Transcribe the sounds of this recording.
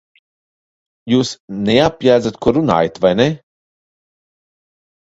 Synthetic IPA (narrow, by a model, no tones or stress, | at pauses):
juːsneapʲjæːd̪zat̪kuɔɾuna̰ːjat̪vajne